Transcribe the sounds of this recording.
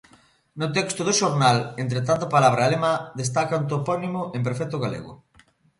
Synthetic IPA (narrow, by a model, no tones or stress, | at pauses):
nʊt̪ɛkst̪ʊðʊʃoɾnalent̪ɾet̪ant̪̬apalaβ̞ɾalemaðest̪akaunt̪opɔnimʊʔempeɾfɛk̚t̪ʊɣalḛɣʊ̰